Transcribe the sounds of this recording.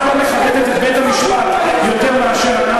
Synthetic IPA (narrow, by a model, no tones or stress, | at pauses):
omeʃalet̪et̪et̪bejt̪amiʃpat̪ | jot̪eʁmeaʃeʁ